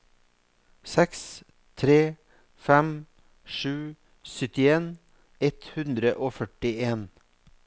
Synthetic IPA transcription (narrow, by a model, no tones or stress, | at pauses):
sɛks | t̪ʰɾeː | fɛm | ʃʉː | sʏt̪ɪeːn | ɛt̪hʉnd̪ɾəʔoːfœʈɪeːn